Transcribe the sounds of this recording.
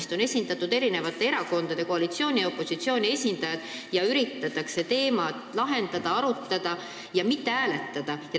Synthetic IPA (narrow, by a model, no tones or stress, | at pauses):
st̪o̞ne̞sʲind̪ɑt̪ːˑud̪̥e̞ɾine̞vɑt̪ːˑe̞e̞ɾɑko̞nd̪ɑd̪̥e̞ko̞ɑlit̪sio̞ːnʲio̞pːˑo̞sit̪sio̞ːnʲie̞sʲind̪̥ɑjɑd̪̥jɑyɾit̪ːˑɑt̪ːˑɑkse̞t̪e̞ːmɑt̪lɑɦe̞nd̪ɑd̪̥ɑɑɾut̪ːɑd̪̥ɑ | jɑmit̪ːe̞æːle̞t̪ːɑd̪̥ɑjɑ